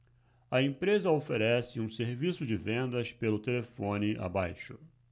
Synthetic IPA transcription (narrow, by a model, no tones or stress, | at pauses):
ɐẽpɾezɐofeɾɛsɪũseɾvisʊd͡ʒɪvẽnd̪ɐspelʊt̪elefõnɪʔa̰bajʃʊ